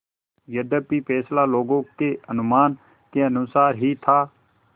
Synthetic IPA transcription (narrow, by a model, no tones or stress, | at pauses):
jəd̪əpiːpʰɛːslaːloːɡõːkeːənʊmaːn | keənʊsaːɾɦiːt̪ʰaː